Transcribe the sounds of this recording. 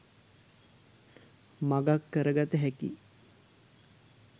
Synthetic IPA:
maɡakːəɾəɡat̪əɦækḭ

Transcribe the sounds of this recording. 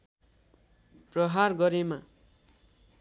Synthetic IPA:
prʌɦarɡʌɾema

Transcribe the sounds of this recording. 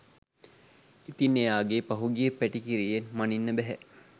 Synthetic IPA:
it̪inːejaːɡepaɦuɡijəpæʈikiɾijenmaninːəbɛɦɛ

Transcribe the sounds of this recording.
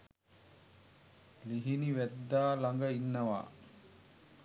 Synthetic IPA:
liɦiniʋæd̪ːaːlaŋɡəinːəʋa̰ː

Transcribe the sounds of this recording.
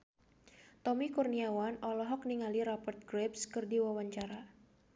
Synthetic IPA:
t̪ɔmikurniawanɔlɔɦɔk̚niŋaliɾapərt̪̚ɡɾɛpskɨrdiwawaɲt͡ʃaɾa

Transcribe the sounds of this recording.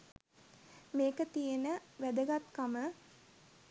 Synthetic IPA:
meːkət̪ijenəʋæd̪əɡat̪kamə

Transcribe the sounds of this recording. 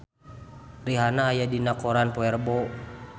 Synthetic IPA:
riɦanaːjadinakɔɾanpɔɛrbɔ

